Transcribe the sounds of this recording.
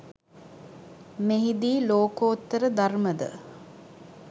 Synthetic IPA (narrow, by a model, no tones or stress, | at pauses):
meɦid̪iːloːkoːt̪ːəɾəd̪arməd̪ə̰